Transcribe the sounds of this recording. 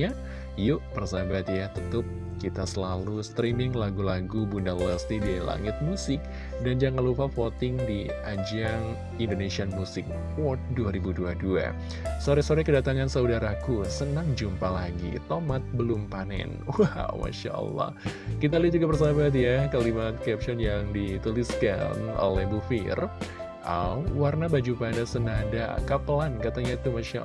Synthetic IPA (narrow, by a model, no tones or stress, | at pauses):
a | jʊʔb̥ərsabat̪jat̪ət̪ʊp̚ | kit̪asəlalust̪ɾimɪŋlaɡulaɡubundalwɛst̪idila̰ŋɪt̪̚musɪk̚ | dand͡ʒaŋanlupafot̪ɪŋdiad͡ʒaŋ | indoneʃianmusɪk̚ | fɔrt̪̚duaɾibuduadua̰ | soɾɛsoɾɛkədat̪aŋansaudaɾakusənaŋd͡ʒumpalaɡḭt̪omat̪̚bəlʊmpanɛ̰nwawma̰ʃa̰ʔə̰lːɑ̰hkit̪aliad͡ʒuɡabərs̬abat̪̬jakalimat̪̚kɛp̚t͡ʃɔnjaŋdit̪uliska̰no̰lɛhbufɪ̰r | ʔa̰mwarnabad͡ʒupadasənada̰kapəlankat̪aɲait̪umaʃa̰